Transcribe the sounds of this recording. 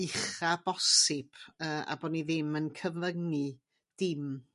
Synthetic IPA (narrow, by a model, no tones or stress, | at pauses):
ɪχabɔsɪb̥əːʔa̰bɔːniðɪmənkʰəvləŋɨ | d̥ɪm